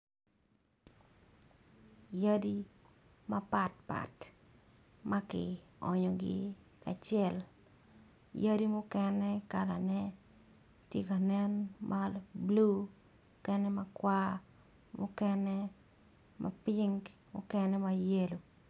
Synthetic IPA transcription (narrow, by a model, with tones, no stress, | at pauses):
ja˦di˦ | ma˦pa˨t̚pa̰˨t | ma˦kɪ̰˨ɔ̰˨ɲɔ˨ɡɪ̰˦ | ka˨t͡ʃɛ˦˨l | ja˦di˦mʊ˦kɛ˦nɛka˨la˨nɛ˦ | tje˦ka˨nɛ˦nmʔablu˦ | kɛ˦nɛ˦makwa˦ | mʊ̰˦kɛ˦nɛ˦ | mʔa̰˨pɪŋɡmʊ̰˦kɛ˦nɛ˦maje˦lo˨